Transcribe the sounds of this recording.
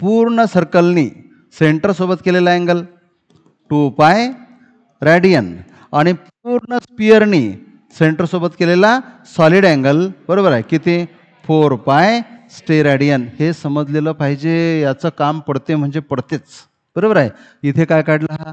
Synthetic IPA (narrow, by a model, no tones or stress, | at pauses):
puɾɳəsəɾkəlniː | seɳʈəɾsobət̪kelelaɛ̃ŋɡəl | ʈupaj | ɾaɽijən | aɽ̃ip | uɾɳəspijəɾniː | seɳʈəɾsobət̪kelela | sɔliɽɛ̃ŋɡəlbəɾobəɾaɦjkit̪ẽ | foɾpajsʈeɾaɽijənhesəməd͡zleləpaɦid͡ʑejat͡səkampəɽt̪em̤əɳd͡zepəɽt̪et͡s | b̥əɾobəɾaj | it̪ʰekajkaɽlaɦa